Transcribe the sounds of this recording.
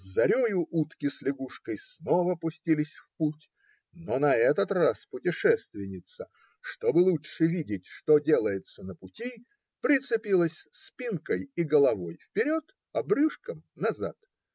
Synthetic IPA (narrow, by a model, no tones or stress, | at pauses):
zɐɾʲojʊʔut̪kʲɪslʲɪɡuʂkəjsnovəpʊsʲtʲilʲɪsʲfputʲ | nonɐɛt̪ət̪raspʊtʲɪʂɛst̪vʲɪnʲɪt̪sə | ʂt̪obɨlˠutʂɨvʲidʲɪtʲʂt̪odʲe̞lˠəjɪt̪sənəpʊtʲi | pɾʲɪt̪sɨpʲilˠəsʲspʲinkəjiɡəlˠɐvojfpʲɪɾʲo̞t̪ | ɐbrɨʂkəmnɐzat̪